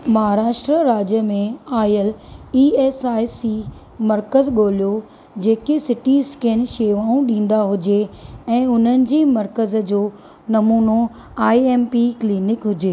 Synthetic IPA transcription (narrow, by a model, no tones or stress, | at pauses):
mɐɦaːɾaːʃʈɾəɾaːd͡ʑjəmẽaːjəliːeːsaːisi | mɐɾkəzɠoːljo | d͡ʑeːkesɪʈiskeːnʃeːʋaːũɗĩːn̆d̪aɦʊd͡ʑeɛ̃ːʊn̤ənɪ̆d͡ʑeːmɐɾkəzd͡ʑoː | nɐmuːno | aːieːmpikliːnɪkɦʊd͡ʑeː